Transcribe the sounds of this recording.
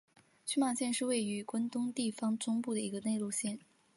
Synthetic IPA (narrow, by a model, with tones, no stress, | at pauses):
t͡ɕy˥ma˨˩ɕjɛ˥˧nʂɻ̩˥˧we˥˩ɪy˧˥kwə˥nt̪ʊ˥ŋt̪i˥˩fɑ˥ŋʈ͡ʂʊ˥ŋpu˥˩d̪ə˩i˧˥ɡə˧ne˥˧ɪlu˥˧ɕjɛ˥˩n